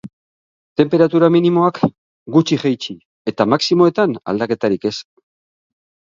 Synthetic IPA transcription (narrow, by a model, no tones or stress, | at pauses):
t̪e̞mpe̞ɾat̪uɾaminimo̞ak | ɡut͡ʃiʝejt͡ʃi | e̞t̪amaksimo̞e̞t̪ana̰ld̪ake̞t̪aɾike̞s